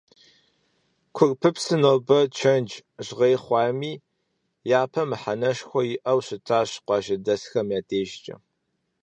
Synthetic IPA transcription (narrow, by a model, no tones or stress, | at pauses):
kʷʰʊrpʰɨpsɨnoːbɐt͡ʃʰɐnd͡ʒʑʁeːχʷɑːmiː | jaːpʰɐmɨħanɐʃxʷɔjɪʔɐwɕɪtʰaːɕqʷɑːʒɐdɐsxɐmjaːtʰeːʒt͡ʃʼɐ̰